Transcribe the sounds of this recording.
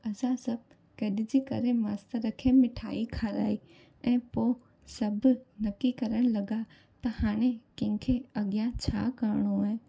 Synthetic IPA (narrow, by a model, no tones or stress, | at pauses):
ɐsãsɐb̚ | kɐɗɪd͡ʑiːkɐ̰ɾemaːst̪aɾɐkʰemɪʈʰa̰ːikʰaːɾa̰ːi | ɛ̃ːpoː | sɐbnɐkikɐɾəɽ̃lɐɠa | t̪ɐhaːɽ̃ekɐ̃kʰeɐɠɪjãt͡ɕʰa̰ːkaːɾɽ̃oaːɦẽ